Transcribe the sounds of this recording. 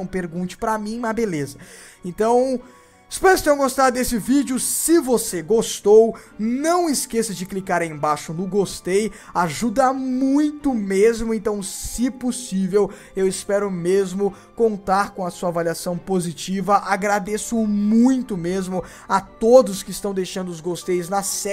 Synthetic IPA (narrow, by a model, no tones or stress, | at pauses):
w̃peɾɡũnt͡ʃɪ̥pɾɐmĩmɐbelezɐ | ẽnt̪ɐ̃w̃ | ɪspɛjskt̪ẽɡost̪aɾd̪esɪvid͡ʒʊsɪvoseɡost̪ownɐ̃w̃ɪskesɐd͡ʒɪklikaɾẽj̃baʃʊnʊɡost̪ej | aʒud̪ɐmũj̃t̪ʊmezmʊẽnt̪ɐ̃w̃sɪposivew | ewɪspɛɾʊmezmʊ | kõnt̪aɾkõɐsuɐavaliasɐ̃w̃pozit͡ʃivɐʔaɡɾad̪esʊmũj̃t̪ʊmezmʊ | at̪od̪ʊskɪst̪ɐ̃w̃d̪ejʃɐ̃nd̪ʊʊzɡost̪ejznɐsɛ